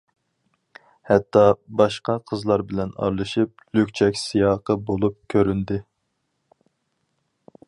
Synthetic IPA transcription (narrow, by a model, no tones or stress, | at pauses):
hɛt̪ʰːɑbɑʃqɑqʰəzlˠɑɾbɪlɛnɑ̰ɾlˠɨʃip̚lykʲt͡ʃʰɛkʲsijɑːqəbolˠup̚kʲʰøɾynd̪ɪ